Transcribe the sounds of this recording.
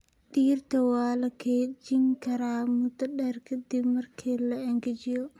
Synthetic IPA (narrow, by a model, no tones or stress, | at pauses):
ɗiːrt̪ɐwaːlɐkʰeːd͡ʒɪŋkɐɾaːmʊt̪ɐɗɛɾkʰɐd̪ibmɐrkʰiːlɐɛŋɡɛd͡ʒɪjɔ